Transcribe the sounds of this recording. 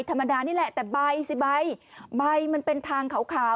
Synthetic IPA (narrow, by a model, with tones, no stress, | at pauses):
jt̪ʰa˧mːa˧daː˧niː˥˩lɛ˨˩ʔt̪ɛː˨˩ba˧jsi˧˩ba˧jba˧jma˧npe˧nt̪ʰaː˧ŋkʰa˨˩˦wkʰaː˨˦